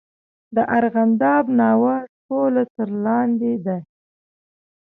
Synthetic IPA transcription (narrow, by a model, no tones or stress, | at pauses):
d̪əʔaɾɣand̪ɑbnɑwaʈolat̪əɾlɑnd̪ed̪a